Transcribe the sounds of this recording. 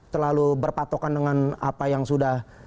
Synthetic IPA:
t̪ərlalubərpat̪okandəŋana̰pajaŋsudah

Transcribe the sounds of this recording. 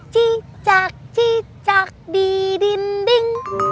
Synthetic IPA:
t͡ʃi | t͡ʃak̚t͡ʃi | t͡ʃak̚bibimbɪŋ

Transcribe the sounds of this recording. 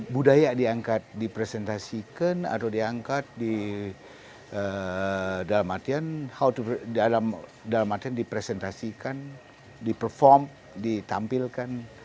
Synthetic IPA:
budajadiaŋkat̪̚dipɾesɛnt̪asikana̰t̪awdiaŋkat̪̚di | ə | dalamat̪ianhawt̪udalamdalamat̪iandipɾesɛnt̪asikan | dipərfɔrm | dit̪ampilkan

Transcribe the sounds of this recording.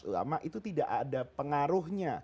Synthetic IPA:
ṵla̰maʔit̪ut̪idaʔadapəŋaɾʊhɲa

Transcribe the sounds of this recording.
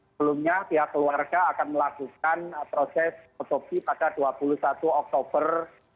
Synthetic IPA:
əbəlumɲapiɦakːəluarɡaːkanməlakuk̚anpɾosɛsɔt̪opipad̥aduapulusat̪uɔk̚t̪ob̥ər

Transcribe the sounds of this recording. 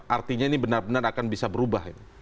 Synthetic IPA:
ʔart̪iɲainibənarbənarakanbisabəɾubaɦit̪u

